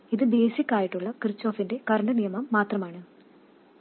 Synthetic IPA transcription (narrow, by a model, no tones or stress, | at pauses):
iðɨbe̞ːsikʲːaːjiʈːuɭːɐkrɨt͡ɕːo̞ːfinde̞kɐɾɐɳɖɐnijɐmɐmːaːt̪rɐmaːɳɨ